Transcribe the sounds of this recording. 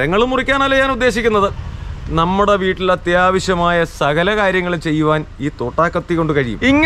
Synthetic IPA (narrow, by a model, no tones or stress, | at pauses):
ɾɐŋːɐɭumurikʲːaːnɐlːɐjaːnud̪ːe̞ːɕikʲːunːɐðɨnɐmːuɽe̞ʋiːʈːilɐt̪jaːʋɐɕjɐmaːjɐsɐɣɐlɐkaːɾjɐŋːɐɭumt͡ɕe̞jːuʋaːniːt̪o̞ːʈːaːkːɐt̪ːikːo̞ɳɖɨkɐɻijṵmiŋː